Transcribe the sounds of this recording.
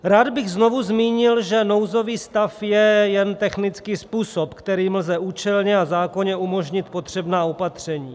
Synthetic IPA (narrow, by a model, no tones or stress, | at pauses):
ɾaːd̪bɪɣzno̞vuzmiːɲɪlʒɛno̞wzo̞viːst̪afjɛjɛnt̪ɛxnɪt͡skiːspuːsopkt̪ɛɾiːmlzɛʔuːt͡ʃɛlɲɛazaːko̞ɲɛʔumo̞ʒɲɪt̪po̞t̪r̝̥ɛbnaːo̞pat̪r̝̥ɛɲiː